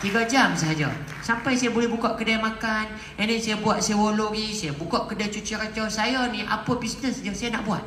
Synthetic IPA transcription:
t̪iɡad͡ʒamsəɦad͡ʒa̰ | sampajsajabolɛhbukaʔkədajmakan | ɛnisajabuat̪̚saawoloɡisajabukaʔkədat͡ʃut͡ʃiɾat͡ʃasajaniʔa̰pəbisnəsd͡ʒaŋsajana̰ʔbua̰t̪̚

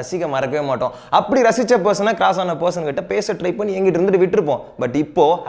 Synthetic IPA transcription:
ɐsɪkːɐmɐɾɐkːɐʋeːmaːʈːõ | ɐpːɐɽiɾɐsɪt͡ʃːɐpeːsɐnːaːkɾaːsaːnɐpɐːs̬ɐnkɪʈːɐpeːsɐʈɾɐɪp̚pɐnːiɛŋɡɪʈːɾɯnd̪ɯʈːɯʋɪʈːɪɾɯp̬ːõːbɐʈːɪpːoː

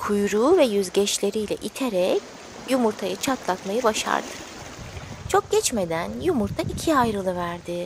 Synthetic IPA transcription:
kʰujɾuːvɛjyzɟɛʃlʲe̞ɾijlʲɛ̰ʔit̪ʰeɾɛc | jumuɾt̪ʰajɯt͡ʃʰat̪lˠat̪majɯbaʃa̰ɾd̪ɯ̥ | t͡ʃʰo̞k̚ɟ̥ʲɛt͡ʃme̞d̪ænjumuɾt̪ʰaʔicʰiajɾɯlˠɯvæɾd̪ɪ

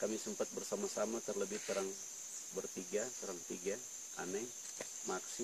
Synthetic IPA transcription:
kamisəmpat̪̚bərsamasamat̪ərləbɪhtəɾaŋ | bərt̪iɡasəɾaŋt̪iɡa | a̰naj | maksi

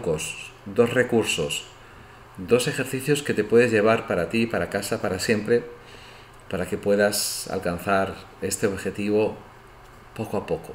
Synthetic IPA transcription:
kosd̪o̞zre̞kuɾso̞s | d̪o̞se̞xe̞ɾθiθjo̞ske̞t̪e̞pwe̞ðezʝe̞β̞aɾpaɾat̪ipaɾakasapaɾasje̞mpɾe | paɾake̞pwe̞ðasa̰lkan̟θaɾ | e̞st̪eo̞βxe̞t̪iβ̞o̞ | po̞koapo̞ko

